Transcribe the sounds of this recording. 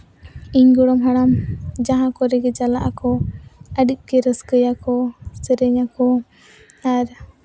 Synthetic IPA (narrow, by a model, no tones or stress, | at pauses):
iɲɡɔɽɔmɦaɽamd͡ʒaɦãkɔɾɛɡɛd͡ʒalaʔakɔaɖiʔ̚kɛɾəskəjakʰɔsəɾɛɲakʰɔ | aɾ